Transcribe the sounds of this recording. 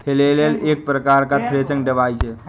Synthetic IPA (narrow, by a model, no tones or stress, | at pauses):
kʰelelelek̚pɾəkaɾkat̪ʰɾesə̃ŋɖəʋajt͡ʃe